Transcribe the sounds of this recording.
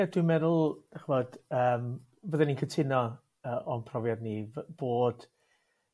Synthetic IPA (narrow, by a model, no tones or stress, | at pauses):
adwimɛðʊlˠd̥ɛχvɔd̥əːm | vəðɛninkʰətʰɪnɔ | əːʔɔnpʰrɔvjadnivb̥oːd̥